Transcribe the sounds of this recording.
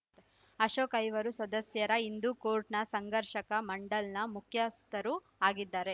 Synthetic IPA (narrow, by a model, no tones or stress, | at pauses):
ɐʃoːkɐjʋɐɾusɐd̪ɐsjɐɾɐind̪ukoːɾʈnɐsɐŋɡɐɾʃɐkɐmɐɳɖɐlnɐmukʰjɐst̪ɐɾu | aːɡid̪ːaːɾe